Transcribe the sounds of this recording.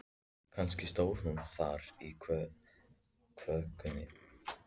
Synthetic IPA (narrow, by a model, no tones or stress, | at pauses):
kʰanscɪst̪oːwhʏmθaɾi | kʰvœkʏnɪ̰